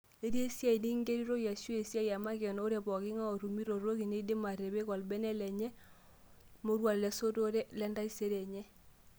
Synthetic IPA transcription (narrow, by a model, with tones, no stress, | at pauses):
e˦di˦e˦si˦a˦i˨ni˦ŋɡe˦ɾi˦ɾo˦ja˨su˦e˨si˦a˦ja˨ma˦kɛ˨n˦o˦ɾe˨bɔ˨ɡi˦ŋa˦o˨ɾu˨mi˦ɾo˨ɾo˦ɣi˨ne˦de˦ma˨ɾe˨be˦ɣɔ˨lbɛ˦nɛ˦lɛ˨ɲɛ˦ | mo˦ɾwa˨llɛ˨˦so˦to˦ɾe˦lɛ˦nda˦i˦se˦ɾe˨ɲɛ˦